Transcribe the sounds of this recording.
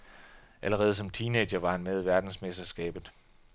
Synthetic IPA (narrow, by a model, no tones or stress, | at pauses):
ʔæləʁɛːð̞̩ˠsɒ̽mt͡sʰiːneɕɐʋɑ̈hænmeð̞ˠʋæɐd̥n̩smesd̥ɐsɡ̥ɛ̰ːb̥ð̩ˠ